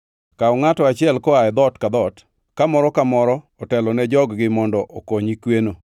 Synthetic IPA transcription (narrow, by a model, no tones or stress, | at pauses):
kaɔŋatɔat͡ʃɪɛlkɔaɛd̪ɔtkad̪ɔt | kamɔɾɔkamɔɾɔ | ɔtɛlɔnɛd͡ʒɔɡɡɪmɔndɔʔokoɲikweno